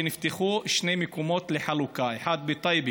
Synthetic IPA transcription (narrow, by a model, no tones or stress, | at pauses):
nɪft̪axuːʃneːmɪkuːmoːt̪lɪħalukaːjħaːd̪̚bit̪ˤɑjbi